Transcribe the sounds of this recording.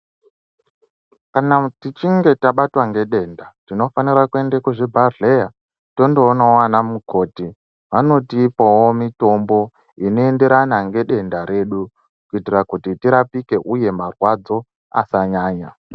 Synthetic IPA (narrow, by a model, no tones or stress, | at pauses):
kanatit͡ʃiŋɡe̞taɓatwaŋɡe̞ɗe̞ndatino̞faniɾakue̞ndekoʐebʱarɮe̞ja | to̞ndo̞ːnawanamukʰo̞ːti | ʋano̞tiːpowomito̞mbo̞ | inoe̞nde̞ɾanaŋɡe̞ɗe̞ndaɾe̞ːɗu | kuitirakutitiɾapike̞ʔuje̞marwad͡zo̞ | a̰saɲaːɲa